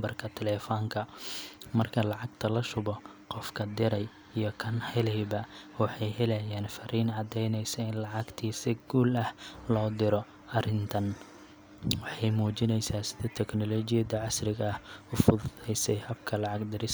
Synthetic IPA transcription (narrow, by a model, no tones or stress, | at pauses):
bɐrkʰɐt̪ʰɛlɛːfɔːŋkʰɐmɐrkʰɐlɑʕɑɡ̚t̪ʰɐlɐʃʊβɔ | qɔfkʰɐd̪ɪɾɛj | ijɞkʰɐnhɛlɛjbɐwɑħɑjhɛlɛjaːnfɐɾiːnʕɑd̪ɛjnɛjsɐɪnlɑʕɑɡt̪ʰiːsɪɡuːlɐhlɔːd̪ɪɾɔ | ɐrɪnt̪ʰɐn | wɑħɑjmuːt͡ʃɪnɛjsaːsɪðɐt̪ʰɛknɔlɔt͡ʃɪjɐðɐʕɑsrɪɣɐːhʊfʊðɛjsɛjhɐbkʰɐlɑʕɑɡd̪ɪɾɪs